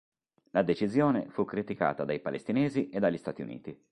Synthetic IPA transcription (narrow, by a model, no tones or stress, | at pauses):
lad̪et͡ʃizjoːnefukːɾit̪ika̰ːt̪ad̪ajpalḛst̪inɛːziʔed̪ːaʎːist̪aːt̪iṵnḭːt̪i